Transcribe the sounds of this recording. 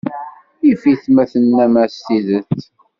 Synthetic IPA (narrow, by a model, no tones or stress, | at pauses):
ifiθmæθənːæmæstiðət͡sː